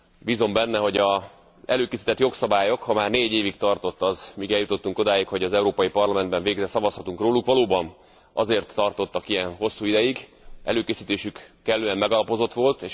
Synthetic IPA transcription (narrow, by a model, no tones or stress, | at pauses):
bizo̞mbɛnːɛɦo̞ɟɒ | ɛ̰løːkeːsi̥ːt̪ɛt̪jo̞ksɒbaːjo̞khɒmaːrneːɟeːvikt̪ɒrt̪o̞t̪ːɒzmikɛljut̪o̞t̪ːuŋko̞d̪aːjikho̞ɟɒzɛuɾoːpɒjipɒrlɒmɛnd̪bɛɱveːɡɛsɒvɒshɒt̪uŋkroːlukʋɒloːbɒn | ʔɒ̰zeːrt̪ːɒrt̪o̞t̪ːɒkijɛnɦo̞sːuːid̪ɛjiɡʔɛ̰løːkeːsiːt̪eːʃykː | ɛlːøːɛmmɛɡɒlɒpo̞zo̞t̪ʋo̞lt̪eːʃ